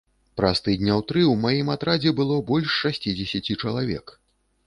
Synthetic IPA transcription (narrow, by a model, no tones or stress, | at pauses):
pɾast̪ɨd̪ʲnʲawt̪ɾɨwmajimat̪ɾad͡zʲɛbɨlˠɔbɔlʲʂːasʲt͡sʲid͡zʲɛsʲat͡sʲit͡ʂɐlˠavʲɛ̰k